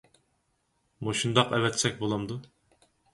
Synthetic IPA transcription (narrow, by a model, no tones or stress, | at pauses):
muʃund̪ɑqɛvɛt̪sɛk̚ʲbolˠɑmd̪u